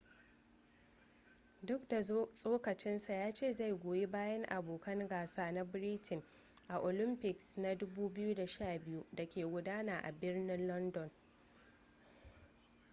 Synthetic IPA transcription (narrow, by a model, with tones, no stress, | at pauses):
dʊ˦kda˨sʼoː˦kɐ˨t͡ʃɪ˦nsa˨jaː˦t͡ʃeː˦˨za˦˨jɡʷoː˨je˦baː˦jɐ˦ŋʔa˨boː˨kɐ˦ŋɡaː˨saː˦na˦bɾiː˦tʰɪ˨ŋ | ʔa˨ʔoː˨lɪ˦mpɪ˨ksna˦dʊ˦buː˦bɪ˦ju˦da˨ʃaː˦˨bɪ˦ju˦da˨kʲeː˨ɡʷʊ˦daː˦naː˨ʔa̰˨bɪ˦rnɪ˦nlɔ˦ndɔ˨n